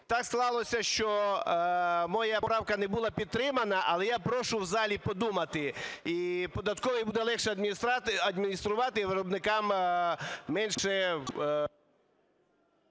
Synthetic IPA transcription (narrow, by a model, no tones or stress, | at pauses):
t̪ɑksklˠɑlˠɔsʲɐʃt͡ʃɔ | mɔjapɾɑwkɐnɛbulˠɑpʲid̪̚t̪ːɾɪmɐnɐʔɐ̰lˠɛjapɾɔʃʊwzɑlʲipɔd̪umɐt̪ɪipɔd̪ɐt̪kɔʋɐjbud̪ɛlˠɛxʃɛɐd̪mʲinʲisɾɐd̪mʲinʲist̪ɾʊʋɑt̪ɪʋɪɾɔbnɪkɑm | mɛnʃɛ